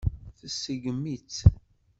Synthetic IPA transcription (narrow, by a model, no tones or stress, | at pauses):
θəsəɡmit͡s